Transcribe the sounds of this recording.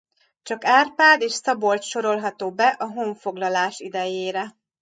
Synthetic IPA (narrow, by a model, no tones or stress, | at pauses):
t͡ʃɒkaːrpaːd̪eːʃsɒbo̞lt̪ʃo̞ɾo̞lɦɒt̪oːbɛʔɒɦoɱfo̞ɡlɒlaːʃid̪ɛjeːɾɛ